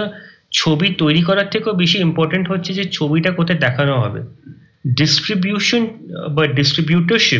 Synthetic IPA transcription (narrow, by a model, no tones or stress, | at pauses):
t͡ɕʰobit̪ojɾikɔɾaɾt̪ʰekeobiʃiimpɔɾʈaɳʈɦotːɕʰed͡ʑet͡ɕʰobiʈakot̪ʰed̪ɛkʰanoɦɔ̰bḛ | ɖisʈɾibjuʃonbaɖisʈɾibjuʈəɾʃi